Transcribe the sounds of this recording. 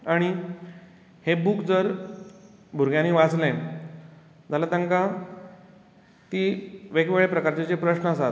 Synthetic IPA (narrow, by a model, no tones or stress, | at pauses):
aɽ̃i | hebukd͡zəɾ | bʱuɾɡjãnːiʋat͡sle | d͡zʱalat̪ə̃ŋka | t̪iːʋekʋeɭepɾəkaɾt͡ɕet͡ɕepɾəɕnəəsat̪